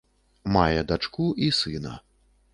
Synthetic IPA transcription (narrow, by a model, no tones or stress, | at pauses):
majɛd̪at͡ʂkuʔisɨnɐ̰